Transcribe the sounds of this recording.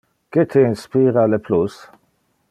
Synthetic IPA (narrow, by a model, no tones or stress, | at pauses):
ket̪ʰeinspiːɾaleplus